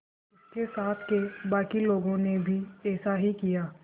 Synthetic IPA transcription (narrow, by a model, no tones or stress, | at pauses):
ɪskesaːt̪ʰkebaːkiloːɡõnebʱiɛːsaɦikijaː